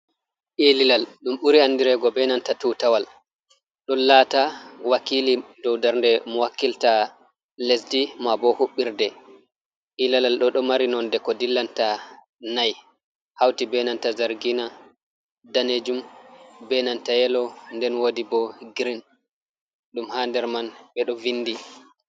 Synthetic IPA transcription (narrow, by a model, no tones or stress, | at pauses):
ʔililalɗumɓuɾiandiɾɛɡɔbɛnantatutawal | ɗɔlaːtawakiːlidɔwdaɾndɛmɔwakːilta | lesdimabɔhuɓːiɾdɛ | ʔilalalɗɔɗɔmaɾinɔndɛkɔdilːanta | naj | hawtibɛnantazaɾɡina | daned͡ʒumbɛnantajɛlɔndɛnwodibɔɡɾin | ɗumhandɛɾmanɓɛɗɔvinːdi